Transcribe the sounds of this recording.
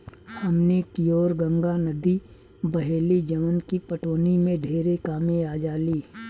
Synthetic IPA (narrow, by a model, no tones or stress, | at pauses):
hɐmnekijoːɾɡə̃ŋɡanɐd̪i | bɐɦeːlid͡ʒɐʋənkipɐʈoːnimẽɖʱeːɾekaːmẽaːd͡ʒaːliː